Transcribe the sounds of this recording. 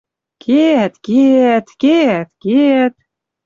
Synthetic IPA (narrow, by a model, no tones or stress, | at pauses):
ket̪ket̪ket̪ket̪